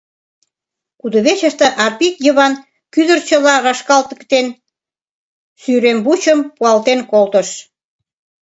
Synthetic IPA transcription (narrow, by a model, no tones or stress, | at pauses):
kud̪oβet͡ɕəʃt̪ə̆ʔɑpikjəβɑn | kyðərt͡ɕəlɑɾɑʃkɑlt̪əkt̪en | syɾembut͡ɕəmpuɑlt̪enkolt̪əʃ